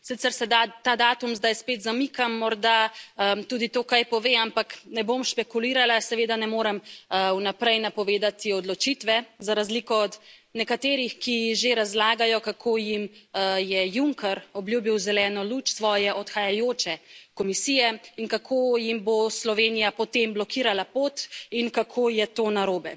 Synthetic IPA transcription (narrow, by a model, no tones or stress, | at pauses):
sit̪sɛɾsɛd̪at̪ad̪aːt̪umzd̪ajspet̪zamikamːɔɾd̪aət̪uːd̪it̪oːkajpɔʋeampaknɛbomʃpɛkuliːɾalasɛʋeːd̪anɛmoːɾɛmunapɾɛjnapɔʋeːd̪at̪iɔd̪lɔt͡ʃit̪ʋɛzaɾazlikɔɔd̪nɛkat̪eːɾixkixʒeɾazlaːɡajɔkakʰoːjimjɛjuŋkɛɾɔbljuːbiwzɛlɛːnɔlut͡ʃsʋɔːjɛʔɔt̪xajajoːt͡ʃɛkɔmisiːjɛinkakʰoːjimboslɔʋeːnijapɔt̪emblɔkiːɾalapoːt̪inkakʰoːjɛt̪onaɾoːbɛ